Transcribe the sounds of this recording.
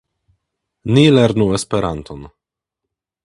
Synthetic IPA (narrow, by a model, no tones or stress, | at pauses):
nileɾnuespe̞ɾanto̞n